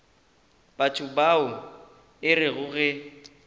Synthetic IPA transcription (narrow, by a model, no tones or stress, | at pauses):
b̥at͡ʃʼʰʊbaʊ | ɪrɪɣʊɣɛ